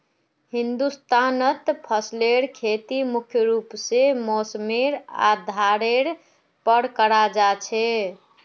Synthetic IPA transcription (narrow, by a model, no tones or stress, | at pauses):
hind̪ust̪ʰanət̪pʰəsleɾkʰet̪imukʰjəɾupsemosmeɾa̰d̪ʱaɾeɾ | pəɽkəɾad͡ʒat͡ʃʰɛ